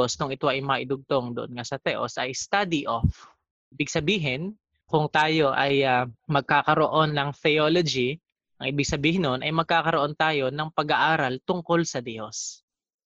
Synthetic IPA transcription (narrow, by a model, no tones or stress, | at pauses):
osnʊŋʔɪt̪o̞ʔɐjmɐŋɐʔɪd̪ʊɡ̚t̪o̞ŋd̪ʊʔonŋasɐt̪ɛʔo̞̰sʔɐjst̪ad̪iʔof | ʔiːbɪɡ̚sɐbiːɦɪn | kʊŋt̪aːjo̞ʔɐjamɐɡ̚kaːkɐɾoʔo̞nːɐŋθɛjolod͡ʒi | ʔɐŋʔiːbɪɡ̚sɐbiːhɪnonʔɐjmɐɡ̚kaːkɐɾoʔo̞nt̪aːjo̞nɐŋpɐɡɐʔaːɾɐlt̪ʊŋko̞lsɐd̪os